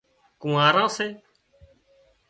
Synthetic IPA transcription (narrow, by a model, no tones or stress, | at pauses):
kũːaːɾãːseː